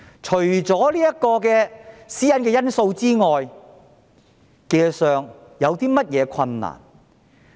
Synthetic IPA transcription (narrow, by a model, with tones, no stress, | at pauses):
t͡ʃʰɵ˨˩ɥt͡sɔː˨˥liː˥jɐ˥kɔː˧kɛː˧siː˥jɐ˥nkɛː˧jɐ˥nso˧wt͡siː˥ŋɔː˨j | ke˧jsœː˨ŋjɐ˨˧wt̪iː˥mɐ˥t̚jɛː˨˧kʰɐ˧nːa̰ː˨˩n